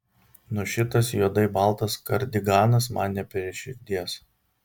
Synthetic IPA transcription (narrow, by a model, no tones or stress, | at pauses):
nʊʃʲɪt̪ɐsjuɔd̪ɐɪbɑˑlˠt̪ɐskɐɾʲd̪ʲɪɡɑːnɐs̬mɑnʲnʲɛpʲɛɾʲɪʃʲɪɾʲd̪ʲiɛs